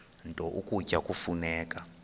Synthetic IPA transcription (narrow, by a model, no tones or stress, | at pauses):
ntʼɔʔukʼucakʼufunɛːka